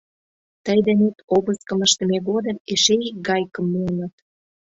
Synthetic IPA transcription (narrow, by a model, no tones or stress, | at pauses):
t̪əjd̪enet̪obə̆skə̆məʃt̪ə̆meɡod̪ə̆meʃeik̚ɡɑjkə̆mːuənət̪